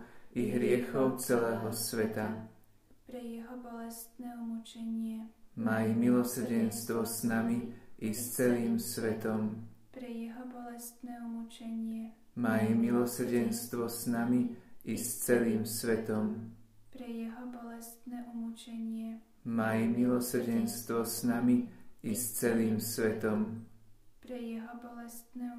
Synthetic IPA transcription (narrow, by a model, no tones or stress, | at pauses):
iɦɾɪɛxɔʊt͡sɛlɛːɦɔsʋɛt̪a | pɾɛjɛɦɔbɔlɛst̪nɛːumut͡ʃɛɲɪɛmajmilɔsr̩ɟɛnst̪ʋɔsnamiʔist͡sɛliːmsʋɛt̪ɔmpɾɛjɛɦɔbɔlɛst̪nɛːumut͡ʃɛɲɪɛ | maːjimilɔsr̩ɟɛnst̪ʋɔsnamiist͡sɛliːmsʋɛt̪ɔmpɾɛjɛɦɔbɔlɛst̪nɛːʔumut͡ʃɛɲɪɛ | maːjimilɔsr̩ɟɛnst̪ʋɔsnamiist͡sɛliːmsʋɛt̪ɔm | pɾɛjɛɦɔbɔlɛst̪nɛː